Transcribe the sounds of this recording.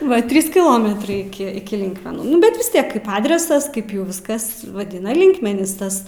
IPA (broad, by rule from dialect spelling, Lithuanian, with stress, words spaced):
ˈʋɐ ˈtʲrʲiːs kʲɪˈlˠoːmʲɛtrɐɪ ˈɪkʲɪ ɪkʲɪ ˈlʲɪŋkmʲɛnuː ˈnʊ bʲɛt ʋʲɪs ˈtʲiɛk ˈkɐɪp ˈɑːdʲrʲɛsɐs ˈkɐɪp jɛʊ ˈʋʲɪskɐs ʋɐˈdʲɪnɐ ˈlʲɪŋkmʲɛnʲiːs ˈtɐs